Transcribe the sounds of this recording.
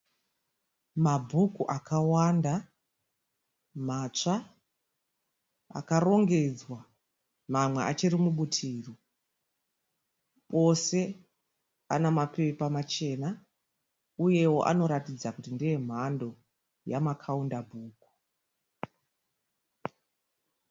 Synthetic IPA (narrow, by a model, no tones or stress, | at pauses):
mabʱukuʔakawanda | mat͡ʂa | a̰karo̞ŋɡe̞d͡zwa | mamwe̞ʔat͡ʃirimuɓutʰiːro | pʼo̞se̞ | anamape̞pamat͡ʃe̞na | uje̞wo̞̰ʔa̰no̞ɾatid͡zakutindije̞m̤ando̞ | jamakʰaundabʱuːku̥